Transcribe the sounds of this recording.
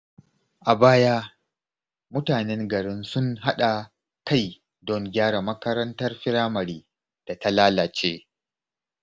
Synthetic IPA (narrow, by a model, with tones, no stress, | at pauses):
ʔa˨baː˦ja˦ | mʊ˦taː˨nɛ˦ŋɡɐ˨ɽɪ˦nsʊ˦ŋɦa˦ɗa˨ | ka˦˨j | dɔ˦ŋɡʲaː˦ɽa˨mɐ˦kɐ˦ɾɐ˦ntɐ˦rɸɪ˦ɾaː˦mɐ˨ɾiː˦ | d̥a˨ta˦laː˦laː˨t͡ʃeː˦